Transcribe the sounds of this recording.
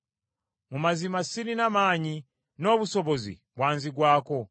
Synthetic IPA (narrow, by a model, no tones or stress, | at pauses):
mumazimasininamaːɲi | no̞βusoβozḭβwaːnziɡwaːko